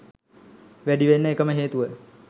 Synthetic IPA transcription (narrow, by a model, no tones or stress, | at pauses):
ʋæɖiʋenːəekəməɦeːt̪uʋə